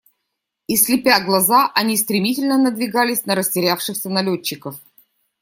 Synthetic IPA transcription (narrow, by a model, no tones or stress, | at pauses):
ɪslʲɪpʲaɡlˠɐzaʔɐnʲist̪ɾʲɪmʲitʲɪlʲnənəd̪vʲɪɡalʲɪsʲnəɾəsʲtʲɪɾʲafʂɨxsʲənɐlʲot͡ɕːɪkəf